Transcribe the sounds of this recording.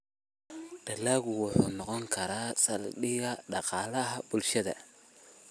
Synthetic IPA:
ɖ̥ɐlaːɣʊwʊħṵːnɔqɔŋkʰɐɾaːsɐlɗɪɣɐɖɑqɑːlɐɦɐbʊlʃɐðɐ̰

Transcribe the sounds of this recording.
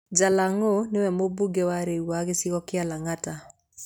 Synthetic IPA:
d͡ʒalaŋonewɛmobuɡɛwaɾewaɣesiɣɔkɪalaŋata

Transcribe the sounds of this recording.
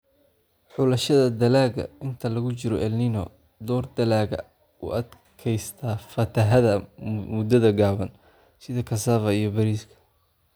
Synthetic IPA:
ħʊlɐʃɐðɐd̪ɐlaːɣɐ̰ɪnt̪ʰɐlɐɣʊt͡ʃɪɾɔʔɛlninɔ̰ | d̪ɔːrd̪ɐlaːɣɐ | ṵʔɐd̪ | kʰɛjst̪ʰaːfɐt̪ʰɐɦɐðɐmʊd̪ɐðɐɡaːβɐn | sɪðɐkʰɐsaːfɐijɞbɐɾiːskʰɐ̥

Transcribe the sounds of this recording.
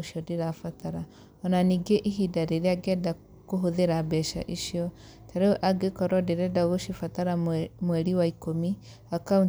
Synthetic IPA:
oʃiɔdeɾafataɾa | ɔnaniːɡeʔiɦidaɾeɾeaɡɛda | koɦoðeɾabɛʃa̰ʔiʃiɔ | taɾeʔaɡekɔɾɔdeɾɛdaoɣoʃifataɾamwɛɾiwaikomi | akaun

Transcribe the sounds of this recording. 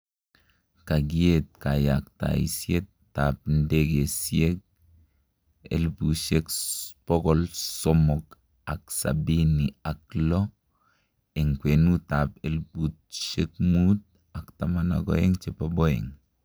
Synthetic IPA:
kaɡiet̚kajakta̰ḭsjetː | ap̚ndeɡesiek̚ | ḛlpuʃekpɔɡɔlsɔmɔk | aksa̰biniaklɔ | eŋkwenutapelput̚ʃek̚mut̚ | aktamana̰ɡɔ̰eŋt͡ʃepabɔɛ̰ŋ

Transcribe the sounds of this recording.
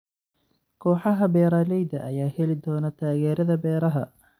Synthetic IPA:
kʰɔːħɑɦɐbɛːɾaːlɛjd̪ɐʔɐjaːhɛlɪd̪ɔːnɐt̪ʰaːɣɛːɾɐðɐbɛːɾɐɦɐ̰

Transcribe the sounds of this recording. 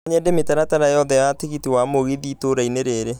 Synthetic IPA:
ɲɛdemetaɾataɾajɔðɛjateɣitiwamoɣiðiːtoɾaineɾeːɾe

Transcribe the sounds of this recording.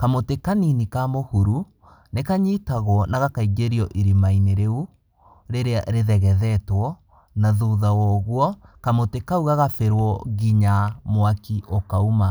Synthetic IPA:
kamotekaninikamohuɾu | nekaɲitaɣwɔnaɣakaiɡeɾiɔʔiɾimaineɾeu | ɾeɾea̰ɾeðɛɣɛðɛtwɔ | naðoːðawɔɣwɔkamotekauɣaɣafeɾwɔɣiɲamwakiʔokauma

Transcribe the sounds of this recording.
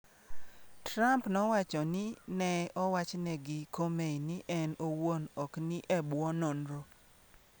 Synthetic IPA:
tɾampnɔwat͡ʃɔnɪnɛɔwat͡ʃnɛɡɪkomenɪʔɛnowonɔknɪʔɛbwɔnɔnɾo

